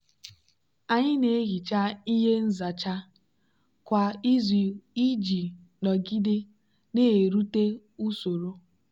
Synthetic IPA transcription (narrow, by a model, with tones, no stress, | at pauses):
a˨ɲɪ˦ne˨˦ɣi˨t͡ʃa˦i˦ɦe˦n̩˦za˨t͡ʃa˦ | kʷa˨i˦zi˦d͡ʒi˨ | nɔ˨ɡi˦de˦ | ne˦e˨ɾu˦te˦ | u˦so˨ɾo˦